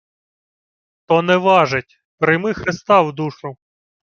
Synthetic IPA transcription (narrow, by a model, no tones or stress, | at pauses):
t̪ɔnɛʋɑʒɪtʲ | pɾɪjmɪxɾɪst̪ɑwd̪uʃʊ